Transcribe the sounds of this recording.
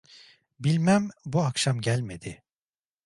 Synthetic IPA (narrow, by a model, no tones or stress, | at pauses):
bilʲmæmbuakʃamɟælʲme̞d̪̥ɪ